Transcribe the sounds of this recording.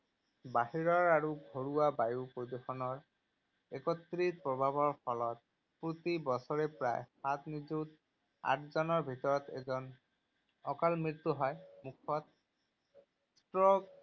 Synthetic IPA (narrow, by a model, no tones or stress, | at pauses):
baɦiɹɔɹaɹuɡʱoɹuwabajupɹod̪uxɔnɔɹ | ekɔt̪ːɹit̚pɹɔbʱabʱɔɹpʰɔlɔt̪̚ | pɹot̪ibɔsɔɹepɹa̰jsat̪ʰnizut | a̰tʰzɔnɔɹbʱitɔɹɔt̪ɛ̰zɔn | ɔkalmɹit̪ːuɦɔjmukʰɔt̪̚ | stɹɔɡ